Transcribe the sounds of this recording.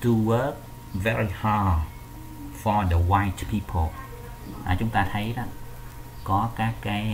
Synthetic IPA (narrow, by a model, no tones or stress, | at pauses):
tuwək̚ | ʋɛɹiha | fɔdəwajtpʰiːpʰəlˠ | ʔa̰t͡ʃuŋt̪aːt̪ʰajɾaʔ | kɑkaːkaɛ